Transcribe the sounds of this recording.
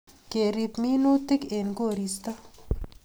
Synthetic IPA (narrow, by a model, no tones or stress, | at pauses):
keɾipminoːt̪ɪkenɡoːɾist̪a